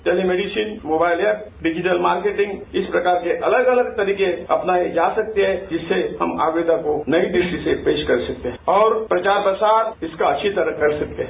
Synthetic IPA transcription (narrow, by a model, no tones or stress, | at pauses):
ʈɛlemeːɖisiːnmoːbaːɪlɛːp̚ | ɖɪd͡ʒɪʈəlmaːɾkeːʈɪ̃ŋɡɪspɾɐkaːɾkeʔɐləɡɐləɡt̪ɐɾiːkeɐ̰pnaid͡ʒaːsɐk̚t̪eɦɛd͡ʒɪsːeɦɐ̰ma̰ːɡʋeːd̪akonɐid̪ɾɪʃʈisepeːʃkɐɾsɐk̚t̪eɦɛ̃ɔːɾpɾɐt͡ʃaːɾpɾəsaːd̪ɪskaɐːʃʰit̪ɐɾəkɐɾsɐk̚t̪eɦɛ̃